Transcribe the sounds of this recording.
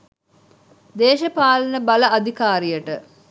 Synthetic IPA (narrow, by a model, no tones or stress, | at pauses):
d̪eːʃəpaːlənəbaləad̪ʱikaːɾijəʈə